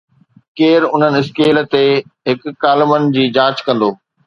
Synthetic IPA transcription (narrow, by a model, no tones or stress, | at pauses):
keːɾʊn̤ənɪ̆ɪskeːlt̪eɦɪkːaːlɪmənɪd͡ʑiːd͡ʑãːt͡ɕkɐ̃nd̪oː